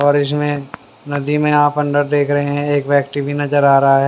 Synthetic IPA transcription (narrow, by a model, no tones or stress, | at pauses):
ɔːɾɪs̬mẽ | nɐd̪imẽaːpɐ̃ɳɖəɾd̪eːkʰɾɐɦẽɦɛ̃eːkʋɛːk̚ʈibʱinɐd͡ʒəɾaːɾɐɦaɦɛː